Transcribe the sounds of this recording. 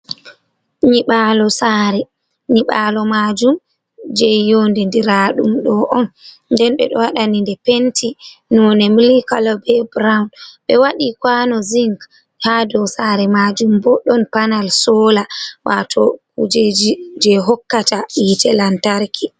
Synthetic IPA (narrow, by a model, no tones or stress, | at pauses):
ɲiɓalɔsaɾɛ | ɲiɓalɔmad͡ʒum | d͡ʒɛjondɛndiɾaɗumɗɔʔɔn | ndɛnɓɛ̰ɗɔ̰waɗanindɛpentʰinɔnɛmilikalɔbɛbɾawnɓɛwaɗikwanɔziŋk | hadɔsaɾɛmad͡ʒumbɔɗɔnpanalsɔlawa̰tʰɔkud͡ʒd͡ʒɛɦɔkːataʔitʰɛlantaɾkʰi